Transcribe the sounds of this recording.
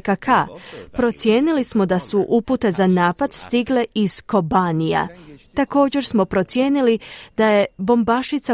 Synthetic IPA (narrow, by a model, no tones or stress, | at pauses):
kakʰapɾo̞t̪sjeːnilismo̞d̪asuʔuput̪e̞zanaːpad̪st̪iɡle̞izko̞banija̰t̪ako̞ːd͡ʑe̞ɾsmo̞pɾo̞t̪sje̞ːnilid̪̥aje̞bo̞mbaʃit̪sa